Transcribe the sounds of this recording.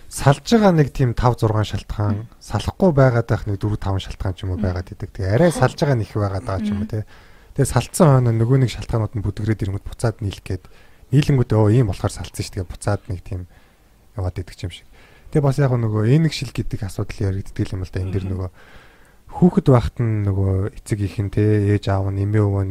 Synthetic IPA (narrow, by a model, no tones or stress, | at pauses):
saɮt͡ɕə̆ʁaːnekt̪ʰiːmt̪ʰawt͡sʊrʁaːnʃaɬt̪χaːŋsaɮə̆χɢʊːpæːʁaːt̪aːχnek̚t̪uɾ̆t̪ʰawə̆nʃaɬt̪ɢaːnt͡ɕʰimoːpæːʁaːt̪et̪ɘ̆k̚t̪ʰeɣeæɾʲæːsaɮt͡ɕə̆ʁaːnex̆pæːʁaːt̪aaːt͡ɕʰɪmoːt̪ʰet̪ʰesaɬt̪sə̆ŋχœːnɔːnɵɣoːnekʃaɬt̪ɢaːnʊːt̪ə̆nput̪ɡɘ̆ɾeːt̪eɾɘ̆ŋɡŭt̪pʊ̥t͡saːt̪niːɮkeːt̪niːɮɘ̆ŋɡut̪oːiːmpɔɮχɔːrsaɬt͡sə̆ŋʃʰt̪ʰɡeːpʊ̥t̪t͡saːt̪nek̚t̪ʰiːm | jawaːt̪et̪ɘ̆k̚t͡ɕʰimʃi̥k̚ | t̪ʰeːpasjaːχʊːnɵɣoːenɘ̆kʃiɮɡet̪ɘ̆kasʊːt̪əɮiæɾʲɘ̆k̚t̪t̪ɡiːɮamə̆ɮt̪ʰaːend̪eːrnɵɣoː | xuːxɘ̆t̪paχt̪ə̆nːɵɣoːet͡sɘ̆kixɘ̆nt̪ʰeːeːt͡ɕawə̆nemeːɵwoːn